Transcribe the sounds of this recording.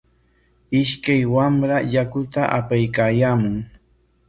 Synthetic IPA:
ɪʃkajwamɾajakʊt̪aʔapajkaːjaːmʊŋ

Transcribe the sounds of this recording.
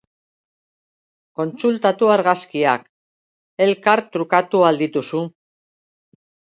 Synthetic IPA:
ko̞nt͡sult̪at̪uaɾɣaskiak | e̞lkaɾt̪ɾukat̪uald̪it̪usu

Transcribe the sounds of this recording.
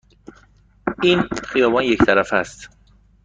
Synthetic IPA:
ʔiːnxijɒːbɒnject̪ʰæɾæfæst̪

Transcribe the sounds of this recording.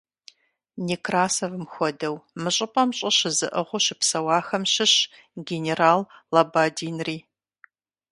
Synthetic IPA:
nikraːsɐvɨmxʷɔdɐwmɨɕʼɪpʼɐmɕʼɐɕɪzɨ̰ʔəʁʷʊʃɪpsɐwɑːxɐmɕɪɕ | ɡʲeneraːlːɐbaːdiːnriː

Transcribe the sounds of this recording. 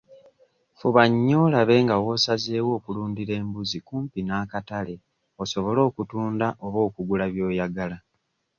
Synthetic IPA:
fuβaɲːo̞ːlaβe̞ːŋɡawo̞saze̞ːwo̞ːkuluːndiɾe̞ːmbuzikuːmpinaːkatale̞ | o̞so̞βo̞lo̞ːkutuːndaʔo̞βo̞ːkuɡulaβjo̞ːjaɡala

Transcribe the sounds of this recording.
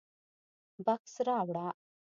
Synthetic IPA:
bɐksɾaːwɽa

